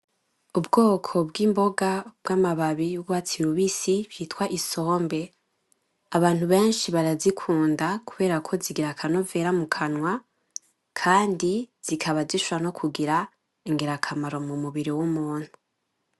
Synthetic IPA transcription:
ubɡo̞ːkʰo̞bɡiːmbo̞ɡab̥wamaβaβijuɡwat͡siɾuβisiβjitwaʔiso̞ːmbe̞ | aβaːn̥huβe̞ːnʃiβaɾazikʰuːndakuβe̞ːɾakʰo̞ziɡiɾakʰanove̞ːɾamukʰanwa | kʰaːndiz̥ikʰaβaziʃuɾano̞kʰuɡiɾa | iŋɡeɾakʰamaɾo̞mumuβiɾiwumuːn̥hu

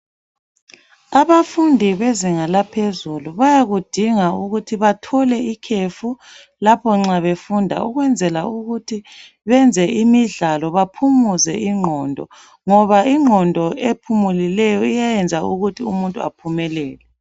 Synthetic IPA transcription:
aβafundʱiβeziŋalapʰezuluβajaɣud̥ʱiŋauɣutʰiβatʰɔlɛikʰefu | lapʰɔŋ͡ǁaβefundʱa̰uɣwɛnd͡zʱɛlauɣutʰi | βɛnd͡zʱɛimiɮalɔβapʰumuzɛʔiŋ͡ǃʱɔndʱɔ̰ | ŋɔβaiŋ͡ǃʱɔndʱɔepʰumulilɛjɔijajɛnd͡zʱauɣutʰiumuntʼua̰pʰumɛlɛːlɛ

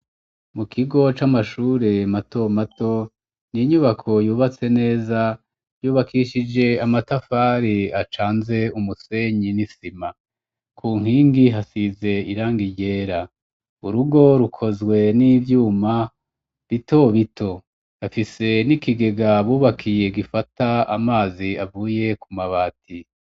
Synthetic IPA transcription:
mukʰiɡo̞t͡ʃamaʃuːɾemato̞mato̞ | niɲuβakʰo̞juːβat͡se̞ne̞ːza | juːβakʰiʃid͡ʒe̞amatafaɾiat͡ʃaːnze̞umuse̞ɲinisima | kʰuːŋ̥hiːŋɡiɦasize̞iɾaːŋɡiɟe̞ːɾa | uɾuɡo̞ɾukʰo̞zɡwe̞nivjuːma | βito̞βitʰo̞ | afise̞nikiɡe̞ɡaβuːβakʰije̞ɡifataamaːziavuːje̞kumaβaːtʰi

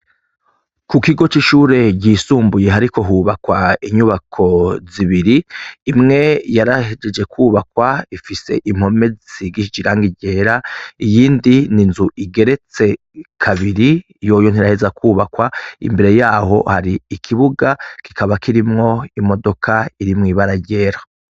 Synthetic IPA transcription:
kukiɡo̞t͡ʃiʃuːɾe̞ɟiːsuːmbuje̞ɦaɾiko̞ɦuβakwaiɲuβakʰo̞ziβiɾiːmŋe̞jaɾahed͡ʒe̞d͡ʒe̞kuːβakwaifise̞̰ʔim̥ho̞me̞d͡ziɡiʃid͡ʒiɾaːŋɡiɟe̞ɾaijiːndininzuʔiɡe̞ɾe̞t͡se̞ | kʰaβiɾi | jo̞ːjon̥iɾahe̞zakʰuːβakwaḭmbe̞ɾe̞jaːho̞̰haɾiːkʰiβuɡakikʰaβakʰiɾimŋo̞imo̞do̞kʰaiɾimŋiːβaɾaɟe̞ːɾa

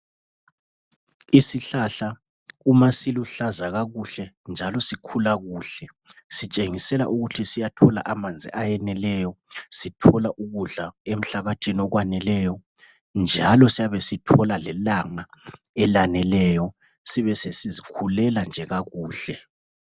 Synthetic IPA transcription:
isiɬaɬa | umasiluɬazaɣaɣuɬɛ | nd͡ʒʱalɔsikʰulaɣuːɬɛ | sit͡ʃʼeŋisɛla̰ʔuɣutʰisijatʰɔla̰ʔamand͡zʱḭʔajɛnɛlɛjɔsitʰɔlaʔuɣuɮaem̩ɬaβatʰinɔɣwanɛlɛjɔ | nd͡ʒʱalɔsijaβesitʰɔlalɛlaŋa | ɛlanɛlɛːjɔ | siβɛsesizikʰulɛland͡ʒʱɛɣaɣuːɬɛ

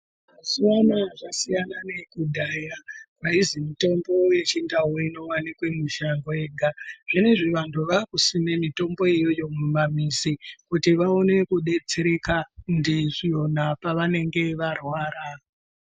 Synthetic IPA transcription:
maziwanaʐasijanane̞kudʱaːjakwaizimito̞mbo̞je̞t͡ʃindauino̞wanikwemiʃaŋɡwe̞ːɡʱaʐ̥ine̞ʐiʋantuʋakusime̞mito̞mbo̞ijo̞jo̞mumamisikutiʋaone̞kuɗe̞d͡zeɾe̞kandiʐio̞napaʋane̞ŋɡe̞ʋarwaːɾa

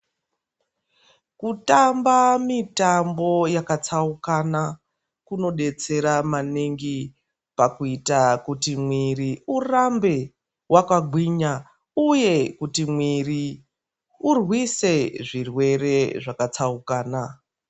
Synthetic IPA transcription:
kutambamitambo̞jakat͡saukana | kuno̞ɗe̞t͡se̞ɾamaneŋɡi | pakuitakutimwiriurambe̞ | wʔakaɡʱwiɲa | uje̞kutimwiri | urwise̞ʐirwe̞re̞ʐakat͡saukaːna

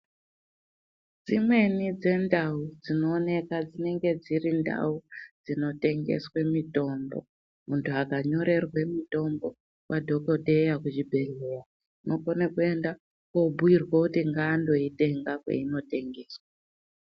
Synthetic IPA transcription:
d͡zimwe̞nid͡ze̞ndaud͡zino̞ːne̞kad͡zine̞ŋɡe̞d͡zirinda̰ud͡zino̞te̞ŋɡḛswemito̞mbo̰ | muntʰuakaɲo̞ɾe̞rwe̞mito̞mbo̞ | wʔadʱo̞kodʱe̞jakut͡ʃibʱe̞ɮera | nokonekue̞nda | kobʱuirwokutiŋɡaːndo̞ite̞ŋɡakwḛino̞te̞ŋɡe̞ːswa

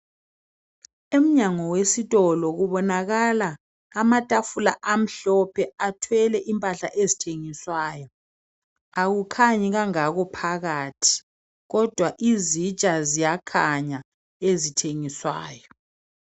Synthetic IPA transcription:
em̩ɲaŋɔwesitʼɔlɔɣuβɔnaɣalaː | matʼafulaʔam̩ɬɔpʰɛatʰwɛlɛʔimpʼaɬa̰ʔezitʰeŋiswaːjɔ | aɣukʰaɲɛɣaŋaɣɔpʰaɣatʰi̥ | ɣɔd̥ʱwaʔizit͡ʃʼazijakʰaɲa | ezitʰeŋiswa̰ːjɔ

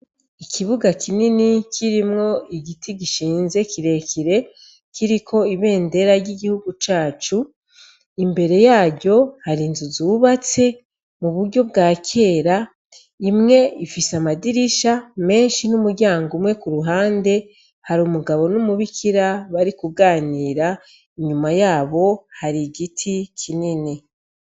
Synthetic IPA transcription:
ikʰiβuɡakʰininikʰiɾimŋo̞iɡitʰiɡiʃiːnze̞kiɾe̞kiɾe̞ | kiɾikʰo̞iβe̞ːnde̞ɾaɾɟiɡihuɡut͡ʃaːt͡ʃu | imbe̞ɾe̞jaːɾɟo̞haɾinzuzuβat͡se̞ | muβuɾɟo̞b̚ɡaːkʰe̞ːɾa | imŋe̞ifisamadiɾiʃame̞ːnʃinumuɾɟaːŋɡumŋe̞kuɾuɦaːnde̞ | haɾumuɡaβo̞numuβikʰiɾaβaɾikuɡaːniːɾa | iɲumajaːβo̞haɾiɡitʰikʰinine

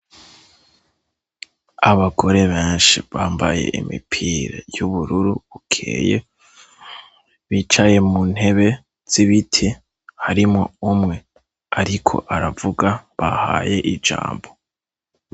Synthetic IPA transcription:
aβaɡo̞ɾe̞βe̞ːnʃiβaːmbaje̞̰ʔimḭpʰiːɾejuβuɾuɾuβukʰḛːje | βit͡ʃaje̞mun̥he̞βe̞ | z̥iβitʰi | haɾimŋoumŋe̞ | aɾikʰo̞̰ʔaɾavuɡaβaha̰ːje̞ʔid͡ʒa̰ːmbo̞

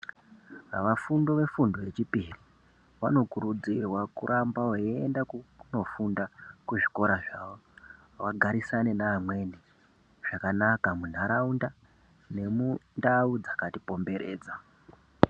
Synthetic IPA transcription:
aʋafundo̞ʋe̞fundoe̞t͡ʃipiri | ʋa̰no̞kuɾud͡zirwakṵɾʔambaweendakuno̞fundakuʐiko̞ɾaʐaːwo | waɡʱaɾisane̞naːmwe̞ni | ʐ̥akanakamun̤aɾaunda | ne̞mundaud͡zakatipo̞mbe̞ɾe̞̰ːd͡za

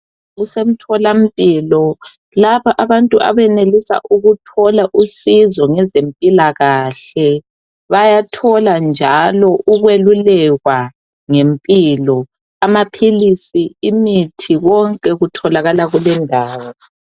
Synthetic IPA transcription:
ɣusem̩tʰɔlam̩pʼiːlɔ | laβaʔaβantʼuʔa̰βɛnelisa̰ʔuɣutʰɔlaʔusizɔŋɛzempʼilaɣaːɬɛ | βajatʰɔland͡ʒʱalɔʔuɣwelulɛɣwa | ŋempʼilɔ | amapʰilisiimitʰiɣɔŋkʼɛɣutʰɔlaɣalaɣulɛndʱaːwɔ

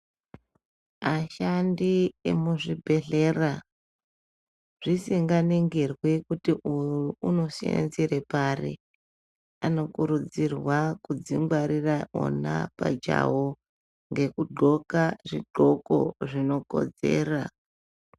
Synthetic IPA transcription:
aʃandiemuʐibʱe̞ɮe̞ːra | ʐ̥isiŋɡaneŋɡerwikutiʔujuuuno̞siḛnziɾeparḭ | ano̞kuɾud͡zirwakud͡ziŋɡwaɾiraʔo̰na̰pa̰d͡ʒa̰wo | ŋɡe̞kuɡ͡ǃʱo̞kaʐiɡ͡ǃʱo̞ko̞̰ʐino̞ko̞̰d͡ze̞̰ːra

